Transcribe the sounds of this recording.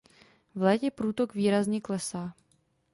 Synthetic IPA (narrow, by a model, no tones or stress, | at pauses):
vlɛːcɛpɾuːt̪okviːɾazɲɛklɛsaː